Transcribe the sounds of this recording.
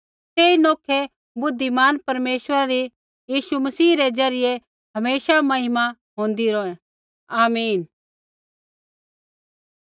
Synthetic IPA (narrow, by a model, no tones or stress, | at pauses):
t̪eːinoːkʰe | bʊd̪ʱːimaːnpɐɾmeːswəɾaɾi | jiːʃumɐsiːɾed͡zɐɾɪje | ɦɐmeːsamɐɦɪma | ɦõːnd̪iɾoːɛ̃ | aːmiːn